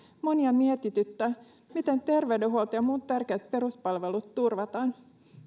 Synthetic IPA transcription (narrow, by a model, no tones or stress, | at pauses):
mo̞niɑmiet̪it̪yt̪ːæ | mit̪e̞nt̪e̞rʋe̞ɥdeɦuolt̪ɑjɑmuːt̪t̪ærkeːt̪̚pe̞ɾuspɑlʋe̞lut̪ːurʋɑt̪ɑːn